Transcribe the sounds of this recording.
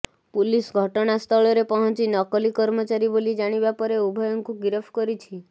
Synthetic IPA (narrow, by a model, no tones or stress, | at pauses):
pulisɡʱɔʈɔɽ̃ast̪ʰɔɭɔɾepɔɦɔnt͡ʃinɔkɔlikɔɾmɔt͡ʃaɾibolid͡ʒaɽ̃ibapɔɾeubʱɔjɔŋkuɡiɾɔpʰkɔɾit͡ʃʰi